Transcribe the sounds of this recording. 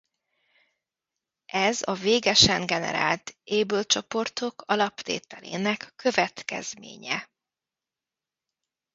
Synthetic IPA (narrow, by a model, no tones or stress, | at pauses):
ɛzɒveːɡɛʃɛŋɡɛnɛ̰ɾa̰ːlt̪eːbølt͡ʃo̞po̞rt̪o̞kʰɒlɒpt̪ḛːt̪ɛlḛːnɛkːø̞vɛt̪kɛ̰zmḛːɲɛ